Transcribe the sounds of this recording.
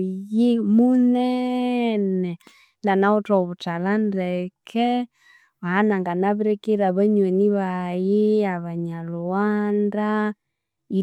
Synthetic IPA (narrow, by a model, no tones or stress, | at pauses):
jemunɛ | nɛ | ndanaɔtɔβutalandɛkʰɛ | βaanaŋɡanaβiɾɛkeɾaβɛɲwɛniβajɪaβaɲalɔwanda | i